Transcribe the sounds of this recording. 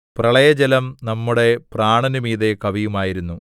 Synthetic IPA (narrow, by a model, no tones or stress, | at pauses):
prɐɭɐjɐd͡ʑelɐmnɐmːuɽe̞praːɳɐnumiːðekɐʋijumaːjiɾunːu